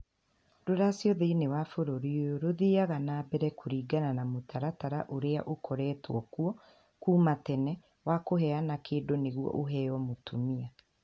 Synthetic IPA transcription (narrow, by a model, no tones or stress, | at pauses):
doɾasjɔðeinewafoɾoɾiojoɾoðiːaɣanaːbɛɾɛkʰoɾiːɡananamotʰaɾataɾaʔoɾeaʔokʰɔɾɛːtwɔkuɔ | kuːmatɛnɛ | wakoɦɛanakʰeːdoneɣuɔ̰ʔoɦɛjɔmotomia